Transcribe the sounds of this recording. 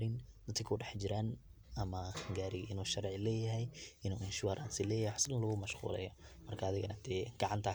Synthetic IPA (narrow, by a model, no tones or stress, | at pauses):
ɾɪnd̪ɐt̪kʰɪkʰʊɖɛħd͡ʒɪɾaːn | ʔɐmɐɡaːɾɪʔɪnuːʃɐɾʕɪlɛːjɐɦɛjʔɪnuːɪnʃʊwaːɾʔa̰ːnsɪlɛːjɐhɛħaslɐɣʊmɐʃqṵːlɛ̰jɔmɐrkʰɐːðɪɣɐnɐd̪̥ɛːɡ̥ɑʕɑnt̪ʰaː